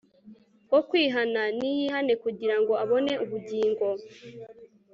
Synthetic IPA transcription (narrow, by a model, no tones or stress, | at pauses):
wokwiːɦananijiɦane̞kuɟiɾaŋɡo̞aβo̞ne̞ʔuβuɟiːŋɡo̞